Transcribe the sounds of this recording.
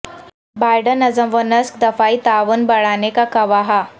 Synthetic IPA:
bajɖənɐd͡zəʋənəskd̪ɐfait̪aʋənbɐɭanekakɐʋaɦa

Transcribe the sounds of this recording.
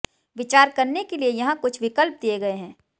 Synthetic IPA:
ʋɪt͡ʃaːɾkɐɾnekeliejɐɦãkʊt͡ʃʰʋɪkəlp̚d̪ijeɡɐeɦɛ̃ː

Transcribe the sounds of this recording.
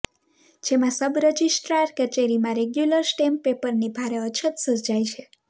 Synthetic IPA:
d͡ʒemãsəbɾəd͡ʒisʈɾaɾkət͡ʃeɾimãɾeɡjuləɾsʈempepəɾnibʱaɾeət͡ʃʰət̪səɾd͡ʒajt͡ʃʰe

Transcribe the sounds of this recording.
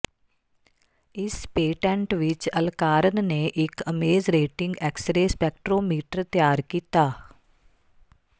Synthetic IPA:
ɪspeːʈɛ̃ɳʈʋɪt͡ʃəlkaːɾənneʔɪkəmeːzɾeːʈɪ̃ŋɡɛːksɾeːspɛːkʈɾoːmiːʈəɾt̪jaːɾkiːt̪aː

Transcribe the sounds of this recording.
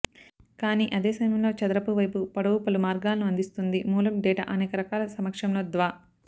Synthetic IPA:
kaːniːʔɐd̪eːsɐmmjɐmlo̞ːt͡ʃɐd̪ɾɐpuʋɐjpupɐɽɐwupɐlumaːɾɡaːlɐnuɐnd̪ist̪und̪imuːlɐmɖɛːʈa̰ʔɐneːkɐɾɐkaːlɐsɐmɐkʂɐmloːd̪ʋaː

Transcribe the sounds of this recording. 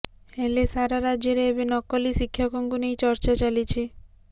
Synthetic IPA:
elesaɾaɾad͡ʒjeɾeebenɔkɔlisikʰːjɔkɔŋkunejt͡ʃɔɾt͡ʃat͡ʃalit͡ʃʰi

